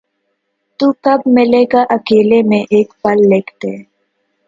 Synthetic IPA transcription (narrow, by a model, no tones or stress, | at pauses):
t̪ukɐb̚mɪleɡaʔɐkeːlemẽʔeːkbɐlːeːkʰt̪e